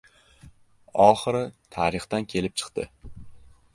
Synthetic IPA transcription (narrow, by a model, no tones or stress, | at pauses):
ɒχɨɾɪt̪ʰaɾɨχt̪ankʲʰe̞lɪp̚t͡ʃʰɨ̥qt̪ɪ̰